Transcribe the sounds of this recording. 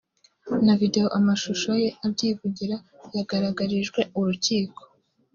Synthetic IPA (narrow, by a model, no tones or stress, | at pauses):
navide̞jo̞ʔamaʃuʃoje̞aβɟiːvuɟiɾa | jaɡaɾaɡaɾiʒɡwe̞uɾuciːko̥